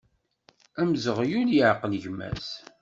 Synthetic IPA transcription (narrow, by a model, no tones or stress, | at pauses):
æmzəʁjuljəʕqəlʝmæ̰s